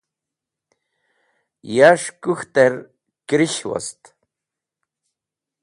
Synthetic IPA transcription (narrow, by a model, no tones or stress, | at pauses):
jaʂkuxt̪eɾ | kɾiʃwo̰st̪